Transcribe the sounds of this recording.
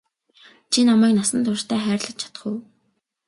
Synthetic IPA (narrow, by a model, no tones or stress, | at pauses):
t͡ɕʰinamæːknasə̆nt̪ʰʊr̥t̪ʰæːχæːrɮə̆t͡ɕ̪t͡ɕʰḁt̪ə̆χŭw